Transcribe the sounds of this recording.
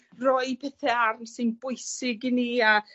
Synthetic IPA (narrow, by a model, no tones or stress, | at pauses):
rɔɨpʰɛθɛarnsɨnbʊjsɪɡɪnia